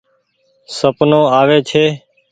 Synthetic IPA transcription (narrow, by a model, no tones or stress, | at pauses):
səpnõːaːʋeːt͡ʃʰeː